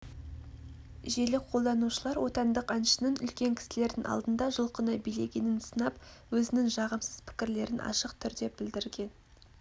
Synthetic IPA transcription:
ʒelɪqʰo̞lˠd̪ɑnuʃəlˠɑɾwo̞t̪ɑnd̪əqɑnʃə̥nəŋʏ̰lkʲe̞ŋkʲʰɪ̥sɪle̞ɾd̪ɪŋɑ̰lˠd̪ənd̪ɑʒəlˠqənɑbijle̞ɡʲe̞nɪnsənɑpwɵzɪnɪŋʒɑʁəmsəzpʰɪ̥kʲɪɾle̞ɾɪnʔɑ̰ʃəqt̪ʰʏɾd̪e̞bɪld̪ɪɾɡʲe̞n

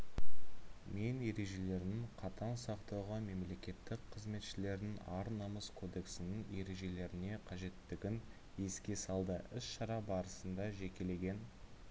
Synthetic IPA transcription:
mene̞ɾe̞ʒe̞le̞ɾnɪŋqʰɑt̪ɑnsɑqt̪ɑwʁɑme̞mle̞kʲe̞t̪ːɪkqʰəzme̞t̪ʃɪle̞ɾd̪ɪŋɑɾnɑməskʰo̞d̪e̞ksɪnɪŋe̞ɾe̞ʒe̞le̞ɾɪne̞qʰɑʒe̞t̪ːɪɡʲɪn | je̞skʲe̞sɑlˠd̪əɪsʃɑɾɑbɑɾəsənd̪ɑʒe̞kʲe̞le̞ɡʲe̞n

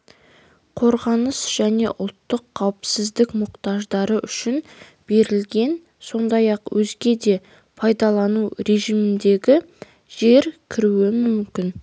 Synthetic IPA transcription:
qʰo̞ɾʁɑnəsʒ̥æne̞̰ʔʊlˠt̪ːəqʰːɑwɪpsɪzd̪ɪkmʊqt̪ɑʒd̪ɑɾəʔʏʃɪn | b̥e̞ɾɪlɡʲe̞n | so̞nd̪ɑjɑqwʔɵzɡʲe̞d̪e̞ | pʰɑjd̪ɑlˠɑnuɾe̞ʒijmɪnd̪e̞ɡʲɪ | ʒe̞ɾkʲʰɪɾuɪmʏmkʲɪn

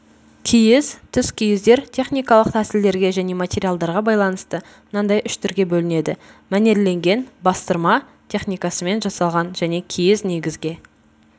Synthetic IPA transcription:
kʲʰijɪzt̪ʰʏskʲʰijɪzd̪e̞ɾt̪ʲʰe̞χnʲijkɑlˠəq̚t̪ʰæsɪld̪e̞ɾɡʲe̞ʒæne̞matʲe̞ɾijalˠd̪ɑɾʁɑbɑjlˠɑnəst̪ə | mənɑnd̪ɑjʔʏʃt̪ʰʏɾɡʲe̞bɵlɪne̞d̪ɪmæne̞ɾle̞ŋɡʲe̞nbɑst̪əɾmɑ | t̪ʰʲe̞χnijkɑsəme̞nʒɑsɑlˠʁɑnʒæne̞kʲʰijɪzne̞ɡʲɪzɡʲe̞

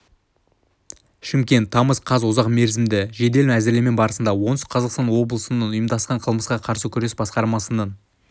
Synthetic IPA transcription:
ʃɪmkʲe̞nt̪ʰːɑməsqʰɑzʊzɑqme̞ɾzɪmd̪ɪʒe̞d̪e̞lmæzɪɾlʲeme̞nbɑɾəsənd̪ɑwo̞nsqʰɑzɑqst̪ɑnwo̞blˠəsənɑnʊjəmd̪ɑsqɑɴqʰəlˠməsqɑqʰɑɾsəkʲʰʏɾd̪esbɑsqɑɾmɑsənɑn

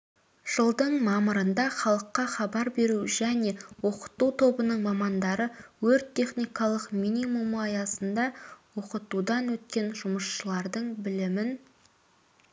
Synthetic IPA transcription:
ʒ̥əlˠd̪əɴmɑməɾənd̪ɑχɑlˠəqːɑχɑbɑɾbe̞ɾuʒæne̞wo̞qə̥t̪ut̪ʰo̞bənəɴmɑmɑnd̪ɑɾəwɵɾt̪ʰːe̞χnijkɑlˠəqminimumɑjɑsənd̪ɑwo̞qət̪ud̪ɑnwɵt̪̚kʲe̞nʒʊməsʃəlˠɑɾd̪əɴbɪlɪmɪn

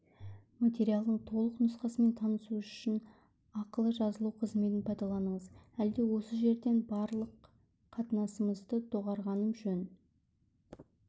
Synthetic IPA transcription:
mat̪ʲe̞ɾijalˠd̪əɴt̪ʰo̞lˠəqnʊsqɑsəme̞nt̪ʰɑnəsuʒʏʃɪn | ɑqəlˠəʒɑzəlˠuwqʰəzme̞t̪̬ɪnpʰɑjd̪ɑlˠɑnəɴəzæld̪e̞wo̞səʒe̞ɾd̪e̞nbɑɾlˠəqʰː | ɑt̪ənɑsəməzd̪ət̪ʰoʁɑɾʁɑnəmʒɵn

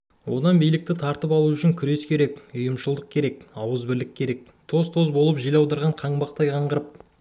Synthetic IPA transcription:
wo̞d̪ɑnbijlɪk̚t̪ɪt̪ʰɑɾt̪əpɑlˠuʏʃɪŋkʲʰʏɾe̞skʲʰe̞ɾe̞kʊjəmʃəlˠd̪əq̚kʲʰe̞ɾe̞kɑwəzbɪɾld̪ɪk̚ʲʰe̞ɾe̞k̚ | t̪ʰo̞zt̪ʰo̞zbo̞lˠəpʒijlɑwd̪ɑɾʁɑɴqʰɑɴbɑq̚t̪ɑjqʰɑɴʁəɾəp̚

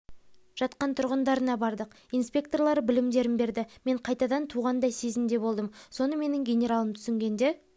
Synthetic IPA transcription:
ʒ̥ɑt̪qɑnt̪ʰʊɾʁənd̪ɑɾənɑbɑɾd̪əq | ijnspʲe̞kt̪o̞rlˠɑɾəbɪlɪmd̪e̞ɾɪnbe̞ɾd̪ɪme̞ɴqʰɑjt̪ɑd̪ɑnt̪ʰuʁɑnd̪ɑjse̞zɪmd̪e̞bo̞lˠd̪əmso̞nəme̞nɪŋɡʲe̞nʲe̞ɾalˠəmt̪ʰʏ̥sɪŋɡʲe̞nd̪e̞

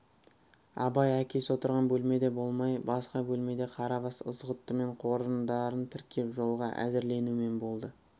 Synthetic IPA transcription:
ɑ̰bɑjækʲe̞swo̞t̪əɾʁɑnbɵlme̞d̪e̞bo̞lˠmɑjbɑsqɑbɵlme̞d̪e̞qʰɑɾɑvɑsə̰zʁət̪ːəme̞ɴqʰo̞ɾənd̪ɑɾənt̪ʰɪɾkʲʰe̞pʒo̞lˠʁɑʔæ̰zɪɾle̞nume̞nbo̞lˠd̪ə

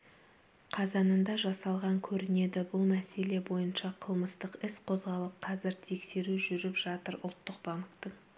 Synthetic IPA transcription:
qʰɑzɑnənd̪ɑʒɑsɑlˠʁɑŋkʲʰɵɾɪne̞d̪ɪbʊlˠmæse̞le̞bo̞jənʃɑqʰəlˠməst̪əqɪsqʰo̞zʁɑlˠəp̚qʰɑzɪɾt̪ʰe̞kse̞ɾuʒʏɾɪpʒ̥ɑt̪əɾʊ̰lˠt̪ːəqbɑmətt̪əɴ

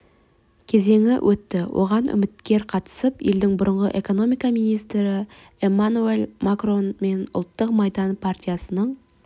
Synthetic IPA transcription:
kʲʰe̞ze̞ŋɪ̰wʔɵt̪ːɪwʔo̞̰ʁɑnʏ̰mɪt̪kʲe̞ɾqʰɑt̪ə̥səpje̞ld̪ɪŋbʊɾəɴʁə̰ʔe̞ko̞no̞mijkɑmijnijst̪ɾɪ | emanuelmakro̞nme̞nʊ̰lˠt̪ːəqmɑjd̪ɑnpʰart̪ʲijasənəɴ

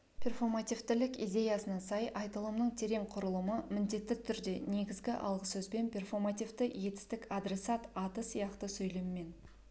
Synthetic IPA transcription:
pʲʰe̞rfo̞rmat̪ijft̪ɪlɪkḭjd̪ʲe̞jɑsənɑsɑjʔɑjt̪əlˠəmnəɴt̪ʰe̞ɾe̞ɴqʰʊɾəlˠəməmɪnd̪e̞t̪ːɪt̪ʰʏɾd̪e̞ne̞ɡʲɪzɡʲɪʔɑ̰lˠʁəsɵzbe̞npʰʲe̞rfo̞rmat̪ijvt̪ɪje̞t̪ɪ̥st̪ɪkɑd̪ɾe̞sɑt̪ɑt̪əsijɑqt̪əsɵjle̞mɪme̞n

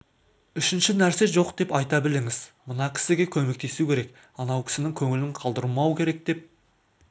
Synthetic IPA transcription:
ʏʃɪnʃɪnæɾse̞ʒo̞qd̪e̞pɑjt̪ɑbɪlɪŋɪzmənɑkʲʰɪ̥sɪɡʲe̞kʲʰɵme̞k̚t̪e̞sukʲʰe̞ɾe̞k | ɑnɑwkʲʰɪ̥sɪnɪŋkʲʰɵŋɪlɪɴqʰɑlˠd̪əɾmɑwəkʲʰeɾe̞k̚d̪̥e̞p̚

